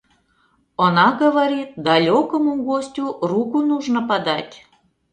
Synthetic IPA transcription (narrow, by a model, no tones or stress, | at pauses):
onɑɣəβaɾʲit̪̚d̪ɑlʲokomuɣosʲtʲurukunuʒnŏpɑd̪ɑtʲ